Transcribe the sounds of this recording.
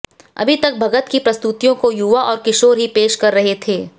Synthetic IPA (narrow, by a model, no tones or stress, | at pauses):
ɐ̰bʱit̪ɐk̚bʱɐɡət̪kipɾɐst̪ut̪ijõkojuʋaʔɔːɾkɪʃoːɾɦipeːʃkɐɾːɐɦet̪ʰeː